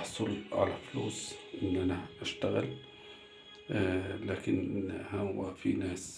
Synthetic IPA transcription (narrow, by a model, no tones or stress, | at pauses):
ħsˤʊlʕa̰lafluːsʔɪnːʔanaʔaʃt̪aɣɪl | laːkɪnhawafḭnaːs